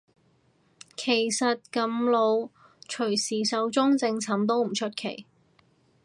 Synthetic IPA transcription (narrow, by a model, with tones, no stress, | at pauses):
kʰe˨˩jsɐ˨t̚kɐ˨˧˥mlo˨˧w | t͡ʃʰɵ˨˩ɥsiː˨˩sɐ˨˥wt͡sʊ˥ŋt͡sɪ˧ŋt͡sʰɐ˨˥mt̪o˥wm̩˨˩t͡ʃʰɵ˥t̚kʰḛ˨˩j